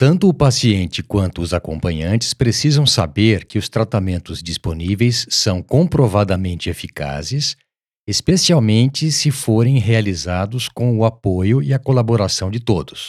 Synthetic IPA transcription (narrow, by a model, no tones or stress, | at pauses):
t̪ɐ̃nt̪ʊːpasiẽnt͡ʃɪkwɐ̃nt̪ʊːzakõ̰pɐ̃ɲɐ̃nt͡ʃɪ̥spɾesizɐ̃w̃sa̰beɾkɪʊst̪ɾat̪amẽnt̪ʊzd͡ʒisponivejsːɐ̃w̃kõpɾovad̪ɐmẽnt͡ʃɪefika̰zɪs | espesiawmẽnt͡ʃɪsɪfoɾẽj̃ɦealizad̪ʊskõw̃ʊapojʊɪɐkolaboɾasɐ̃w̃d͡ʒɪt̪od̪ʊs